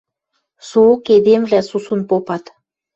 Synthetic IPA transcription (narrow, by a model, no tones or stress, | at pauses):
sooked̪emvlæsusunpopɑt̪